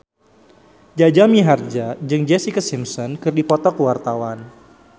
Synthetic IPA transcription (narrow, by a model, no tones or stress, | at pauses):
d͡ʒad͡ʒamiɦard͡ʒad͡ʒɨŋd͡ʒɛsikasimsɔnkɨrdipɔt̪ɔkəwart̪awan